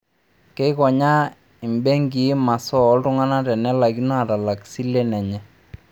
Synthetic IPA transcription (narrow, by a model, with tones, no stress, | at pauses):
ke˦kɔ˨ɲa˦ | ɪ˨mbɛ˦ŋɡi˨˦ma˨sɔː˦ltʊ˦ŋa˦na˦tɛ˨nɛ˦la˨ɡi˦nɔ˦a˨ta˨la˨ksi˦le˦nɛ˨ɲɛ˦